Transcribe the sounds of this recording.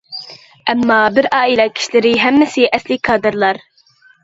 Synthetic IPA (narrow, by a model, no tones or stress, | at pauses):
ʔɛmːɑːbɪɾɑːilˠɛkʲʰi̥ʃlɪɾɪɦɛmːɪsɪʔɛslɪkʰɑːd̪ɨɾlˠɑɾ